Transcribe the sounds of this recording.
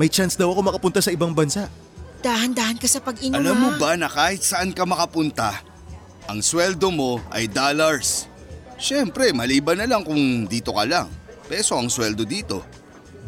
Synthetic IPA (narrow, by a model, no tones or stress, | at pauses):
mɐjt͡ʃansd̪ɐwʔɐko̞mɐkɐpʊnt̪asɐɪbaŋbɐnsaʔ | d̪̥aːhɐnd̪aːhɐnkɐsɐpɐɡɪɲɐlamːobɐnɐkaːhɪt̪̚sɐʔankɐmɐkɐpʊnt̪a | ʔɐŋswɛld̪omo̞ʔɐ̰jd̪aːlɐɹs | ʃɛmpɾɛmɐliːbɐnɐlaŋkʊŋd̪iːt̪o̞kɐlaŋ | pɛso̞ʔɐŋswɛld̪o̞d̪iːt̪o̞̰